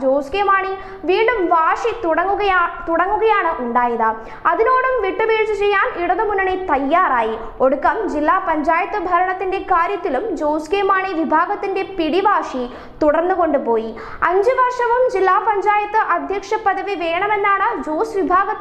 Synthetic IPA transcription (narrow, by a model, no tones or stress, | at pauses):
d͡ʑoːskeːmaːɳi | ʋiːɳɖumʋaːʂiɐːuɣɐt̪uɽɐŋːuɣɐjaːɳɨʔuɳɖaːjɐðɨ | ɐðino̞ːɽumʋiʈːɨbeːɾt͡ɕːut͡ɕejːaːniɽɐðɨmunːɐɳet̪ɐjːaːraːji | oɽukːɐmd͡ʑilːaːpɐɲd͡ʑaːjɐt̪ːɨbʱɐɾɐɳɐt̪ːinde̞kaːɾjɐt̪ːilumd͡ʑoːskeːmaːɳiʋibʱaːɡɐt̪ːinde̞piɽiʋaːʂi | t̪uɽɐrnːuko̞ɳɖupo̞ːji | ɐɲd͡ʑɨʋɐrʂɐʋumd͡ʑilːaːpɐɲd͡ʑaːjɐt̪ːɨʔɐd̪ʱjɐkʂɐpɐðɐʋiʋeːɳɐme̞nːaːɳɨd͡ʑoːsʋibʱaːɡɐ